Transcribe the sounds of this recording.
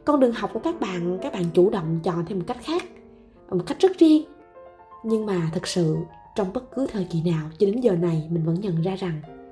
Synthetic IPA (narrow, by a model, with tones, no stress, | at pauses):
kɔ˧nɗɨ˨˩əŋɦwk͡p̚ku˧˩kaː˦˥k̚ɓa̰ː˧˨nkaː˦˥k̚ɓa̰ː˧˨t͡ɕu˧˩ɗə̰˧˨wŋ͡mt͡ɕɔ̰˧˨nt̪ʰe˧mo˨˩t̚ka˦˥jk̚xaː˦˥k̚ | mo˨˩t̚ka˦˥jk̚zə˦˥t̚zi˧əŋ | ɲɨ˧ŋmaː˨˩t̪ʰɨ˨˩k̚sɨ̰˧˨ | t͡ɕɔ˧wŋ͡mɓə˦˥t̚kɨ˨˦t̪ʰəː˨˩jki˧˩naː˨˩wt͡ɕɔ˧ɗe˨˦nzəː˨˩na˨˩jmï˨˩ŋ̟və̰˧˥nɲə̰˧˨nzaː˧za˨˩ŋ